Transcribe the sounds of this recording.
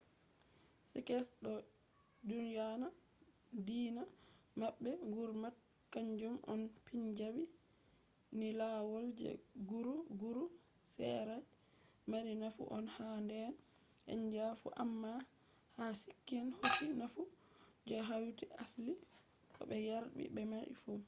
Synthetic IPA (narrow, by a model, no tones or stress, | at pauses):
sɛkɛsɗɔ | dunjana | diːna | maɓːɛŋɡuɾmat̚ | kaɲd͡ʒumʔɔ̰npiɲd͡ʒabi | nilawɔld͡ʒɛ̰ɡuɾuɡuɾu | sɛ̰ɾad͡ʒ | maɾinafṵʔɔnhandɛn | ʔɛ̰ɲd͡ʒafṵʔamːa | hasi̥kːinhosinafu | d͡ʒɔɦawtiʔasli | ʔɔ̰ɓɛjaɾbḭbɛmaɗḭfu